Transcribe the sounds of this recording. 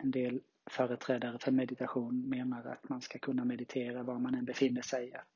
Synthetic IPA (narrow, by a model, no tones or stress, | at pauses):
ɛnd̪eːl | fœːɾət̪ʰɾɛːd̪aɾəfœɾmɛd̪ɪt̪aɧuːnmeːnaɾa̰t̪manskakʰɵnːamɛd̪ɪt̪ʰeːɾavamanɛnbɛfɪnːəʂɛjat̪